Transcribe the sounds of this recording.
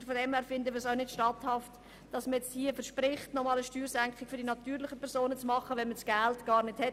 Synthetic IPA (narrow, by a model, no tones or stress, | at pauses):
fodɛmæɾfɪndəʋɪɾsaʊnɪtʃtɑthɑft | d̥ɑsməjɛt͡sthiːəfəɾʃpɾɪχtnɔmɑːləʃtyːɾsæŋkχɪkfʏɾdinɑt̪yːɾlɪχəpʰɛɾsoːnət͡smɑχːəʋɛnməsɡ̥æltɡ̥ɑːɾnɪthɛ